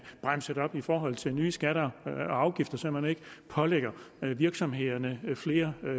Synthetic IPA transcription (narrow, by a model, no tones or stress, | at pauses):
b̥ʁam̰səd̥ɒ̽b̥ifɒːɦɒ̽l̰t͡sʰe̝lnyːsɡ̥æɾɐɑ̈ʊɡ̥ifd̥ɐsɒmæne̝ɡ̥əpʰɒ̽leɡ̥ɐ | ʋiɐɡ̥sɒ̽mɦe̝ð̰ˠɐnəfle̝ːɐ